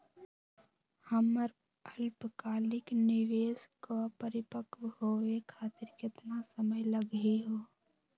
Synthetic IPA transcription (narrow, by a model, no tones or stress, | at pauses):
həməɾ | əlpkaːlikniʋeskəpəɾipəkʋɦoekʰaːt̪iɾket̪nasəməjləɡiɦo